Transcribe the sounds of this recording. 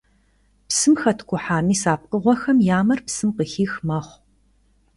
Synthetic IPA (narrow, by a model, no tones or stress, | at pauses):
psɨmxɐtʰkʷʰʊħaːmiːsaːp̚qəʁʷɔxɐmjaːmɐrpsɨmqəxiːxmɐχʷ